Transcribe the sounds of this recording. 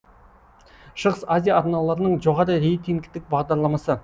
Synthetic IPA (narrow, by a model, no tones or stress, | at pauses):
ʃəʁəsazʲijaːɾnɑlˠɑɾənəɴʒo̞ʁɑɾəɾe̞jt̪iŋɡt̪ɪk̚bɑʁd̪ɑɾlˠɑmɑsə